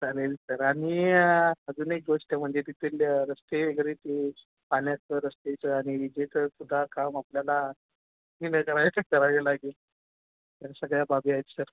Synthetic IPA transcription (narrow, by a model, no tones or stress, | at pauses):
t͡salelsəɾaɽ̃i | əd͡zuːnek̚ɡoʂʈəm̤əɳd͡zed̪it̪ʰelɾəst̪eɡəɾit̪e | paljat͡səɾəst̪et͡səaɽ̃iid͡ʑet̪əsud̪ʱakamapljala | niləkəɾajt̪əkəɾalelaɡil | t̪asəɡɭjababiajt͡ssəɾ